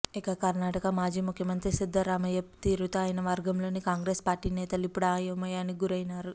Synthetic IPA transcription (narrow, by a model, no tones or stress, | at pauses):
ikɐkɐɾnaːʈɐkɐmaːd͡ʒiːmukʰjɐmɐnt̪ɾisid̪ːɐɾaːmɐjɐpt̪iːɾut̪oaːjɐnɐʋɐɾɡɐmlo̞ːnikaːŋɡɾeːspaːɾʈiːnɛːt̪ɐluipːuɽaːjɐmɐjaːniɡuɾɐjnaːɾu